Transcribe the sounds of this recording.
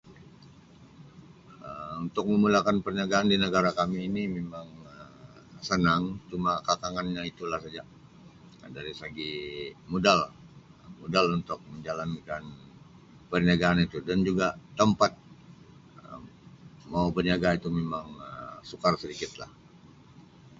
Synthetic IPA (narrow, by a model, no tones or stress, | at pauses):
əmunt̪ʊk̚məmulakanpərɲaɡaːndinəɡaɾakamiːnimemaŋə | sənaŋt͡ʃumakakaŋanɲait̪ulahsad͡ʒa | daɾisəɡimodal | modalunt̪ʊk̚məɲd͡ʒalankan | pərɲaɡaːnit̪udand͡ʒuɡat̪əmpat̪̚ | ə | maubərɲiaɡait̪umemaŋəsukarsədikɪt̪la̰h